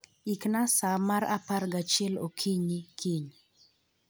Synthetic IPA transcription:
iknasamaɾa̰parɡat͡ʃɛlokʰiɲikʰiɲ

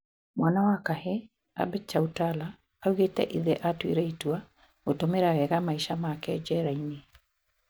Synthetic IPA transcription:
mwanawakahe | a̰bɛt͡ʃautalaː | uɣetɛ̰ʔiðɛʔatwḭɾɛitwa | otomeɾaɣɛɣamaiʃamakɛd͡ʒɛɾaine

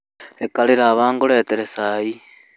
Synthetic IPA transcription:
ekaliɾaːβaːŋɡuleːteɾesaji

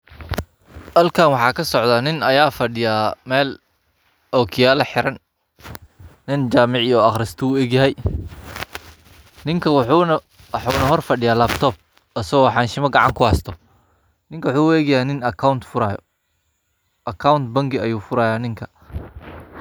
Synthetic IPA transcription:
ʔɐlkʰaːnwɑħɑːkʰɐsɔʕd̪aːnɪnɐjaːfɐɖɪjaːmɛːl | ɔːkʰɪjaːlɐħɪɾɐn | ɪnt͡ʃaːmɪʕijɔɑχɾɪst̪ʰɔuːɛːɡjɐɦɛj | nɪŋkʰɐw | wħuːnɐɦɔrfɐɖɪjaːlabt̪ʰɔːb̚ | ɐsɐɣɔːħɑːnʃɪmɐɡɑʕɑ̰ŋkʰʊhɐst̪ʰɔ | nɪŋkʰɐwħuːuɛːɣjɐhɛjnɪnɐkʰawnt̪fʊɾaːjɔ̰ | ʔɐkʰawnt̪bɐŋɡɪɐjuːfʊɾaːjaːnɪŋkʰɐ̥

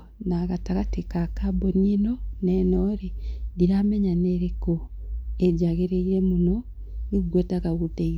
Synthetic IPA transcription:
naɣataɣatekakabonenonenoɾediɾameɲaneɾeko | eɟaɣeɾeiɾemuno | iuɡwetaɣaɣudei

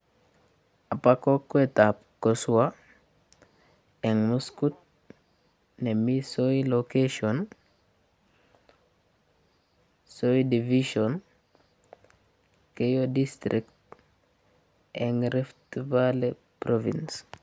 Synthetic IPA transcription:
apakokuetap̚kosuwa | ɛŋmuskut̪̚ | nemisoilokeʃon | soidiviʃon | kejodist̪ɾikt | ɛŋɾeftivale | pɾovḭns

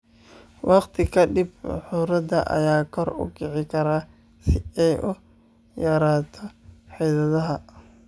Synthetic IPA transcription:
wɑqt̪ʰɪkʰɐɖɪbħʊɾɐd̪ɐ̰ʔɐ̰jaːkʰɔrʊ̰kɪʕɪkʰɐɾaː | sɪɛjʔʊ | jɐɾaːt̪ʰɔħɛjðɐðɐɦɐ

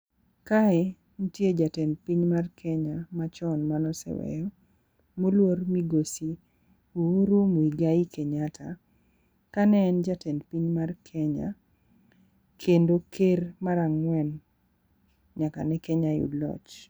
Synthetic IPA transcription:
kae | notjed͡ʒatɛnpiɲmarkʰɛɲamat͡ʃɔnmanɔsɛ̰wɛ̰jɔ | molwormiɡosi | uuɾumoiɡaikeɲatʰa | kanɛːnd͡ʒatɛnpiɲmarkʰɛɲa̰ | kʰendokʰermaɾaŋwɛn | ɲaka̰nɛkɛɲajṵdlɔ̰t͡ʃ

